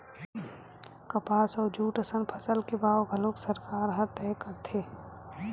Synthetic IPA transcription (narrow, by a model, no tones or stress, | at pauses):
kɐpaːsɔːɾd͡ʒuːʈəsənpʰəsəlkebaːwɡʱəloːksəɾkaːɾɦɐt̪ɛːkəɾt̪ʰeː